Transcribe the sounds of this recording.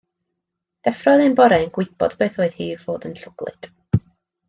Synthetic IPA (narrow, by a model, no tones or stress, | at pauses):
d̥ɛfrɔðɨnbɔɾɛnɡwɪb̥ɔ̰dbeːθoːɨð̥hiːvv̥oːdənɬʊɡ̥lˠɨ̰d̥